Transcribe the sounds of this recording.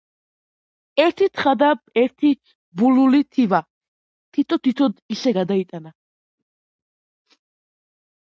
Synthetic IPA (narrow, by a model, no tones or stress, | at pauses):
ɛɾt̪ʰit̪ʰχad̪aɛɾt̪ʰi | bululit̪ʰiva | t̪ʰit̪ʰɔt̪ʰit̪ʰɔd̪isɛɡad̪ait̪ʼana